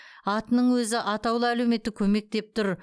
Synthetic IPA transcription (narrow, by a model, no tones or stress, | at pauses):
ɑt̪ənəɴwɵzɪʔɑt̪ɑwlˠəælewme̞t̪ɪkʲʰɵme̞k̚t̪e̞p̚t̪ʰʊɾ